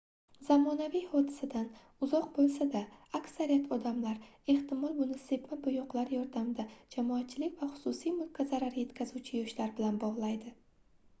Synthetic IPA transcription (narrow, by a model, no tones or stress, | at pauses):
zamɒnavijhɒd̪ɪsad̪an | ʊzɒq̚bolˠsad̪aakʲsaɾijat̪ʰɒd̪amlaɾ | e̞ht̪ɪmɒlˠmʊnɪse̞pmɪbʊjʊqlˠaɾjɒɾd̪amd̪ad͡ʒamɒat̪̚t͡ʃʰɪlɪkʲvaχʊ̥sʊsijmʊlˠkʲʰazaɾaɾje̞t̪kʲʰazuwt͡ʃʰɪjɒʃlaɾbɪlanbɒʁlˠajd̪ɪ